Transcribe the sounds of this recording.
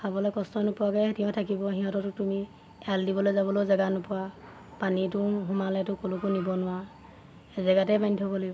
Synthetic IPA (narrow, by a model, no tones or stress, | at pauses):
pabɔlɔjkɔstɔnɔpʊakɛtiɔ̃tʰakibɔɦiɦɔ̃tɔtʊtumi | aldibɔlojzabɔlojzaɡanɔpʊwa | panitʊɦumalɛtʊkolukunibɔnʊwa | ezaɡatɛbanitʰɔbɔlo